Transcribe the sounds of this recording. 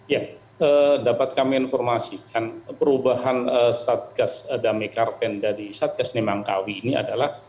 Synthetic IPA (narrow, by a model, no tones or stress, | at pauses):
ja | ədapat̪̚kamiinfɔrmasikʰanpəɾubaɦanəsat̪̚ɡasdamekart̪ɛndaɾisat̪̚ɡasnemaŋka̰wiːnia̰dalah